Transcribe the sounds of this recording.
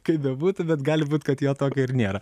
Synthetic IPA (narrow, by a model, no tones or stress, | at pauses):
kɐɪpbʲɛbuːt̪ʊbʲɛt̪ɡɑːlʲɪbuːt̪kɐt̪joːt̪oːkʲɛɪɾnʲeːɾɐ